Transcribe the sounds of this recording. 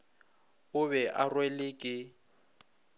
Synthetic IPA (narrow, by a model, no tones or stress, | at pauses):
ʊβɛʔarwelɪːkʼɪ